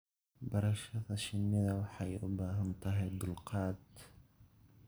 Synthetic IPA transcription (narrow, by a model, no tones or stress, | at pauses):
bɐɾɐʃɐðɐʃɪmɪðɐwɑħɑjʊ̰baːɦɐnt̪ʰɐɦɛjd̪ʊlqɑːd̪̚